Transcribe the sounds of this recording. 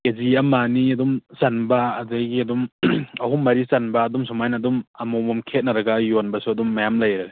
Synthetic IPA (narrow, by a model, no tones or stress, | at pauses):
keziɐmaniɐdumsanbaːzajɡiɐdumɐɦumːɐɾisanbɐːdumsʰumajnadumɐmɔwmamkʰet̚nɐɾɐɡɐjonbɐsuɐdumːɐjamlɐjɾale